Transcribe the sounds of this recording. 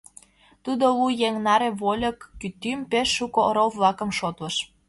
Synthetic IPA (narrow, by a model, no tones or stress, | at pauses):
t̪ud̪olujeŋnɑɾeβolʲɤkːyt̪ympeʃːukooɾowlɑkə̆mʃot̪lɤ̆ʃ